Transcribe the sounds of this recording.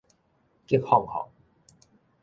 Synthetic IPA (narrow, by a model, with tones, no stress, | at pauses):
ki˦˥˦k̚hɔ˥˧˨ŋhɔ̰˨˩ŋ